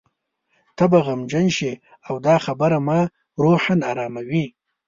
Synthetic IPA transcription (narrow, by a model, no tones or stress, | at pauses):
t̪ʰabaɣamd͡ʒanʃi | awd̪ɑxabaɾamɑ | ɾoħanaɾɑːmawi